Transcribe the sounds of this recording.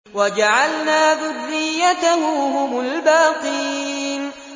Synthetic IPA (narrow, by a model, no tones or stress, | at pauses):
wad͡ʒaʕalnaːðʊrːɪjːat̪ahʊhʊmʊlbaːq̪iːn